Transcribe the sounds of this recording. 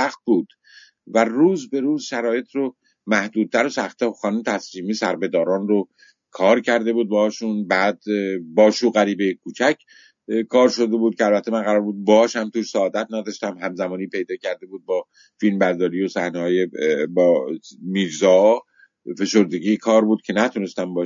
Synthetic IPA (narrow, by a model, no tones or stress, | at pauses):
sæxt̪̚buːd̪̥ | væruːzbe̞ɾuːzʃæɾɒːje̞t̪ʰro | mæhd̪uːd̪̚t̪æɾosæxt̪ʰexɒːnumt̪ʰæsliːmisæɾbe̞d̪ɒːɾɒːnro | kʰɒːɾcʰæɾd̪e̞buːd̪̚bɒhɒːʃunbæːd̪bɒːʃuːɣæɾiːbejkʰuːt͡ʃʰæcʰ | kʰɒːɾʃo̞d̪ebuːd̪̚cʰeælbæt̪ʰːemænɢæɾɒːɾbuːd̪̚bɒhɒːʃhæmt̪ʰuːʃsæːd̪æt̪̚ʰnæd̪ɒːʃt̪æmɦæmzæmɒːniːpe̞jd̪ɒːcʰæɾd̪e̞buːd̪̚bɒː | filmbæɾd̪ɒːɾiːjosæhnehɒːjebːmiːɾzɒː | fe̞ʃo̞ɾd̪e̞ɟiːkʰɒːɾbuːd̪̥̚cʰe̞næt̪ʰune̞st̪æmbɒːʃ